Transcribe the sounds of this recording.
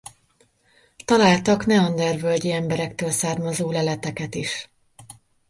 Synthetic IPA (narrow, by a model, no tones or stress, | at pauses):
t̪ɒlaːlt̪ɒknɛɒnd̪ɛrvølɟiɛmbɛɾɛkt̪øːlsaːrmɒzoːlɛlɛt̪ɛkɛt̪iʃ